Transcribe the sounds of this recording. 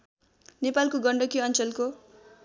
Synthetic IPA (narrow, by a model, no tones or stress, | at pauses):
nepalkoɡʌɳɖʌkiʌnt͡sʌlko